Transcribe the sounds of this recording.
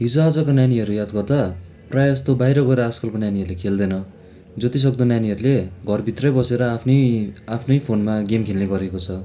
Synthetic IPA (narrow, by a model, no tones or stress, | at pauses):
ɦid͡zoad͡zʌkonjaniɦʌɾujad̪ɡʌrd̪a | prajʌst̪obajɾʌɡʌeɾʌaskʌlkonjaniɦʌɾulekʰeld̪ʌjnʌ | d͡zʌt̪is̬ʌɡ̚d̪ʌnjaniɦʌɾuleɡʱʌrbʱit̪rʌjbʌseɾʌapʰnʌjapʰnʌjpʰonmaɡemkʰelneɡʌɾekot͡sʰʌ